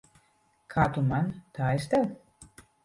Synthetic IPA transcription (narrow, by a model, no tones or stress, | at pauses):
kʰaːt̪umant̪aːest̪ɛw